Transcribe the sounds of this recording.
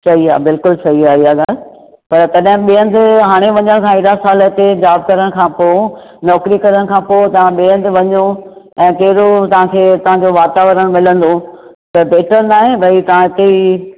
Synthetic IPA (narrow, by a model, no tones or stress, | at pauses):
t͡ɕɐɦia̰ːbɪlkʊlsɐɦiaːɦiaːɡaːl | pɐɾtɐɗɦɪ̃ɓiːə̃nd̪ɪɦaːɽ̃eʋɐɲəɽ̃kʰãːɪɽasaːləɪt̪ed͡ʑaːb̚kɐɾəɽ̃kʰãːpo | nɔːkɾikɐɾəɽ̃kʰãːpot̪ɐʋãɓiə̃nd̪ɪʋɐɲo | ɛ̃ːkɐɦɪɾot̪ɐʋ̤ãkʰeːt̪ɐʋ̤ãɲd͡ʑoʋaːt̪aːʋəɾəɽ̃mɪlə̃nd̪o | t̪ɐbʱeːʈəɾnaːɦẽbʱɐit̪ɐʋ̤ãɪt̪ei